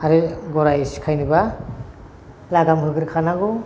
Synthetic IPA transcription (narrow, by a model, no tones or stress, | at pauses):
aɾiɡɔɾajisi̥kʰajnɯba | laɡamɦɯɡɯɾkʰanaɡu